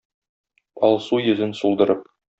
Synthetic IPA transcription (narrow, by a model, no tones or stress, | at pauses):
ɒlˠsujɵ̆zɘnsulˠd̪ɤ̆ɾɤp̚